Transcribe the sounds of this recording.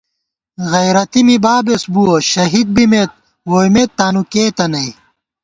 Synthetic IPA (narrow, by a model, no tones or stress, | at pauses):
ɣɐjɾɐt̪imibaːbesbuoɕɐɦid̪̚bimet̪̚ | woːjmet̪ːaːnukeːt̪ɐnɐj